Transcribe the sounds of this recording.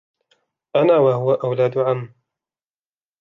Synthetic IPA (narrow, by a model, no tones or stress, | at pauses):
ʔanaːwahʊwaʔawlaːd̪ʊʕamː